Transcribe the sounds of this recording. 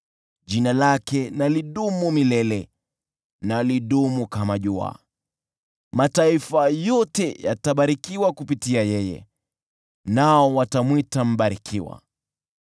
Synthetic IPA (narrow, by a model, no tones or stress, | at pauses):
ʄinalakɛnaliɗumumilɛlɛ | naliɗumukamaʄua̰ | mataifajɔtɛja̰taɓaɾikiwakupitiajɛjɛ̰ | naɔwatamwitam̩ɓaɾikʰiwa̰